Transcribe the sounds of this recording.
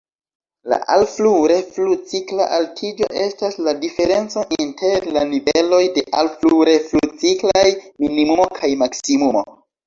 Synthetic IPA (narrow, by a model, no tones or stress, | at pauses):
la̰ʔalfluɾe̞flut͡sikla̰ʔaltʰid͡ʒo̞̰ʔe̞stasladife̞ɾe̞nt͡so̞ʔintʰe̞ɾlanivelo̞jde̞ʔalfluɾe̞flut͡siklajminimumo̞kʰajmaksimumo̞̰